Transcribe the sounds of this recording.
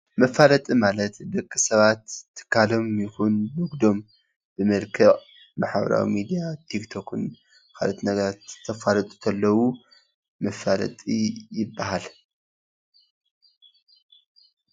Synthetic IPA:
mɐfalɐt̪ʼimalɐt̪d̪ɐkʼːɨsɐβat̪ʰːɨ̥kʰːalo̞mjɪxunwɨɡd̪o̞m | b̥ɨmɐlkʰɐʔʼ | maħabɐ̰ɾa̰wḭmid̪ijat̪ʰikt̪ʰokʰɨn | kʰa̰lot̪nɐɡɐɾat̪t̪ʰːɐfalɐt̪ʼu̥t̪ʰɐlːɐwu | mɐfalɐ̰t̪ʼijɪbːahal

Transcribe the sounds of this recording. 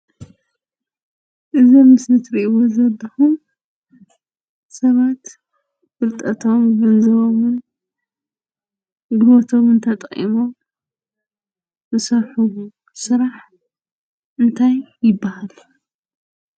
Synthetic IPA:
ʔɨzomːɨsnɨt̪ɾiʔiwozɐlːɐxum | sɐβat̪ | fɨlt̪ʼɐt̪ʰo̞mɡɐnzɐβo̞mɨn | ɡot̪ʰo̞mɨnt̪ʰɐt̪ʼχʼḭmo̞m | zɨsɐɾħu | sɨɾaħ | ʔɨnt̪ʰajːɪbːahal

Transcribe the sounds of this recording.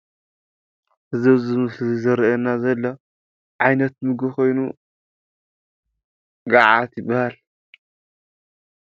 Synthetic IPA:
hɨzɐβzɨmɨslɨizɐɾɐɐnːazɐlːo | ʕajnɐt̪̚mɨɡɨxo̞jnu | ɡaʕat̪jɪbːahal

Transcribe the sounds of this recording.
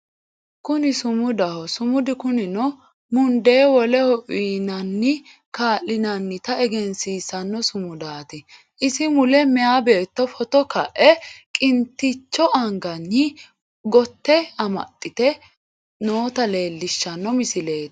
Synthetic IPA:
kʊnɪsʊmʊd̪ɐhɔsʊmʊd̪ɪkʊnɪnɔ | mʊnd̪eːwɔlɛhɔʔiːnɐnːɪ | kaːlːɪnɐnːɪt̪ɐɛɡɛnsiːsɐnːɔsʊmʊd̪aːt̪ɪ | ʔɪsɪmʊlɛmɛaːbe̞ːt̪ːɔfɔt̪ɔkɐʔɛkʼɪnt̪ːɪt͡ʃːɔʔɐŋɡɐnːɪ | ɡɔt̪ːɛɐmɐ̰t̪ʼːɪt̪ɛ | noːt̪ɐle̞ːlːɪʃːɐnːɔmɪsɪle̞ːt̪

